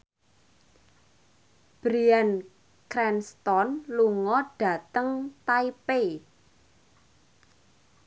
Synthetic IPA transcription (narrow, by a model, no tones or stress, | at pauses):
b̥ɾian | kɾɛnst̪ɔnluŋɔɖ̥a̤t̪əŋt̪aipe